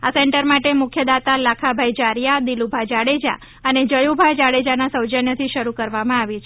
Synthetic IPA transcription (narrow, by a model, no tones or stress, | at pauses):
asɛɳʈəɾmaʈemʊkʰjəd̪at̪alakʰabʱajd͡ʒaɾjad̪ilubʱad͡ʒaɽed͡ʒa̰ | əned͡ʒəjubʱad͡ʒaɽed͡ʒanasəwd͡ʒənjət̪ʰiʃəɾukəɾʋamãaʋit͡ʃʰ